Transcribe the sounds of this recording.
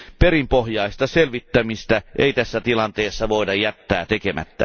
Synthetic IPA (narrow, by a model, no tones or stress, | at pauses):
peɾrimpohjɑist̪ɑselʋit̪ːæmist̪æʔeit̪æsːæt̪ilɑnt̪eːsːɑʋoidɑjjæt̪ːæːt̪ekemæ̰t̪ːæ̰